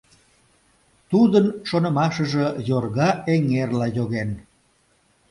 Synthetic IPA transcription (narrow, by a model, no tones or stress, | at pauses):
t̪ud̪ənʃonəmɑʃəʒejorɣɑʔeŋerlɑjoɣen